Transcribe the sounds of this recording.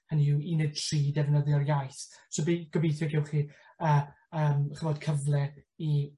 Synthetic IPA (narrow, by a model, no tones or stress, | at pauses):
hənuwinɛtʰriːdɛvnəðɪɔrjajθsɔbiɡ̥ɔbijθɛɡɛwχi | əː | əːmχəvɔd̥kʰəvlˠɛi